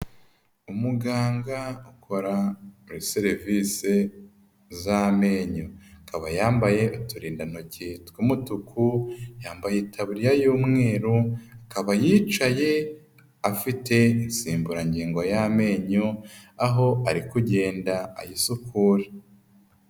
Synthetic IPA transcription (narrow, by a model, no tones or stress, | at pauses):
umuɡaːŋɡaukʰo̞ɾamuɾiseɾivise | zame̞ːɲoakaβajaːmbaje̞ʔutuɾiːndanocetkumutukʰujaːmbajetʰaβuɾijajuːmŋe̞ːɾuakaβajiːt͡ʃaje̞ | afitʰe̞insiːmbuɾaɲɟiːŋɡojame̞ːɲoaɦo̞aɾikuɟe̞ːndaa̰jisukʰuːɾe